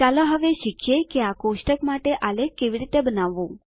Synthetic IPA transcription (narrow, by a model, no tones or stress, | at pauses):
t͡ʃaloɦəʋeʃikʰjekeakoʃʈəkmaʈeʔalekeʋiɾit̪ebənaʋːũ